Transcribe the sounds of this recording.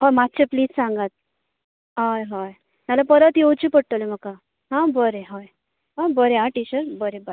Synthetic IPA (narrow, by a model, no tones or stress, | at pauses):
ɦɔjmat̪̚ːt͡ɕepliːd͡zsãŋɡat̪̚ | ɦajɦaj | t̪alapəɾət̪jowt͡ɕipəɽ̚t̪əleməka | ɦãbəɾeɦaj | ɦãbəɾeɦãʈit͡ɕəɾbəɾebəɾ